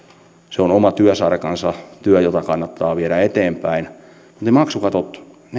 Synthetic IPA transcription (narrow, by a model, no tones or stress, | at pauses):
seonomɑt̪yøsɑrkɑnsɑt̪yœjot̪ɑkɑnːɑt̪ːɑːʋieɾæet̪eːmpæin | mu̥t̪eimɑksukɑt̪ot̪ | n